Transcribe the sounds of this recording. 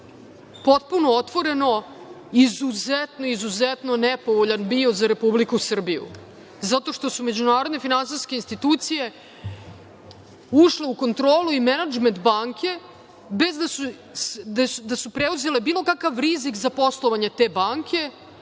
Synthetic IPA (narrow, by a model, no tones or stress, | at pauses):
po̞t̪̚puno̞ot̪ʋo̞ɾe̞no̞ | izuzet̪noizuzet̪nonepo̞ʋoʎanbio̞zaɾe̞publikusr̩bijṵ | zat̪o̞ʂt̪o̞sume̞d͡ʑunaːɾod̪ne̞finans̬iskeinst̪it̪uːt̪sije̞ | uʃle̞uko̞nt̪ɾoːluimenad͡ʒment̪baŋkʰʲe̞ | bezd̪asu | sd̪asd̪asupɾeuze̞le̞biːlˠo̞kakaʋɾizikzapo̞slˠoʋaɲe̞t̪e̞ːbaŋkʰʲe̞